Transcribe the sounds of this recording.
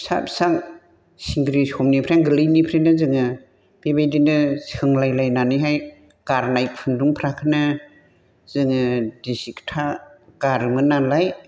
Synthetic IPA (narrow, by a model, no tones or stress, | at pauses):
sa̰psaŋ | siŋɡɾishɔmnipʰɾaŋɡɯlɯnipʰɾenɯzɯŋɯ | b̥ebajdinɯsɯŋlajlajnaniɦaj | ɡ̥aɾnajk̚pʰɯnduŋpʰɾakʰɯnɯ | zɯŋɯdisiktʰaɡ̥aɾmɯnalaj